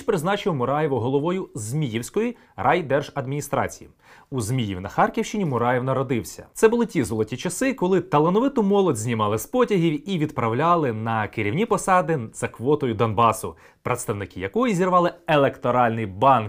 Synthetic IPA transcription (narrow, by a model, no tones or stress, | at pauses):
pɾɪznɑt͡ʃɪwmʊɾɑjeʋʊɦɔlˠɔʋɔjʊzmʲijiwsʲkɔji | rɑjd̪ɛrʒɐd̪mʲinʲist̪ɾɑ̰t͡sʲijḭ | uzmʲijḭwnɐxɑrkʲiwʃt͡ʃɪnʲimʊɾɑjewnɐɾɔd̪ɪwsʲɐ̰t̪sɛbʊlˠɪtʲizɔlˠɔtʲit͡ʃɐsɪkɔlˠɪt̪ɐlˠenɔʋɪt̪ʊmɔlˠɔdʲzʲnʲimɑlˠɪspɔtʲɐɦʲiwiʋʲid̪pɾɐwlʲɑlˠɪnɐkɪɾʲiwnʲipɔsɑd̪ɪz̥ɐkʋɔt̪ɔjʊd̪ɔnbɑsʊ | pɾet̪st̪ɐwnɪkɪjɐkɔjizʲirʋɑlˠɪelˠekt̪ɔɾɑlʲnɪjbɑnk